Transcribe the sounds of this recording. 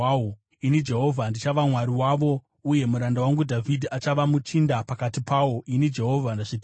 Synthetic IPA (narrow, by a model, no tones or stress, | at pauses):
o | inid͡ʒe̞ɦo̞vʱandit͡ʃaʋamwaɾiwaʋo̞ | uje̞muɾandawaŋɡudʱavʱidʱiat͡ʃaʋamut͡ʃindapakatipawo̞inid͡ʒe̞ɦo̞vʱanaʐit